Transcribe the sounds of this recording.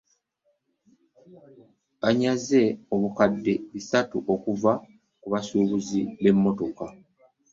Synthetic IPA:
βaɲaze̞o̞βukadːe̞βisatuʔo̞kuva | kuβasuːβuziβe̞mːo̞to̞ka

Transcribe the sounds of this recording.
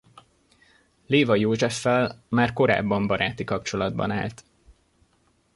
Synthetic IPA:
leːvɒjoːʒɛfːɛlmaːrko̞ɾa̰ːbːɒmbɒɾaːt̪ikɒpt͡ʃo̞lɒd̪bɒ̰na̰ːlt̪

